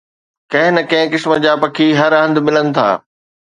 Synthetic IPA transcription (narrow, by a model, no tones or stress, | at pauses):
kɐ̃ɦɪ̃nɐkɐ̃ɦɪ̃kɪsmə̆d͡ʑaːpɐkʰiɦɐɾɦɐ̃nd̪mɪlənɪ̆t̪ʰa̰ː